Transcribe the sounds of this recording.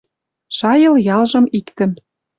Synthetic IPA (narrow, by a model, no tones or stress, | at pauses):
ʃɑjɤ̆ljɑlʒɤ̆mikt̪ə̆n